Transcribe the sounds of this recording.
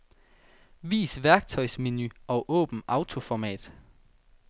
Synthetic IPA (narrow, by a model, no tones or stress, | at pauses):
ʋḭːsʋæɐɡ̥̚t͡sʰɒ̽ɪsmenyɒ̽ʔɔ̰̽ːb̥n̩ʔɑ̈ʊt͡sʰo̝fɒmɛ̰ːd̥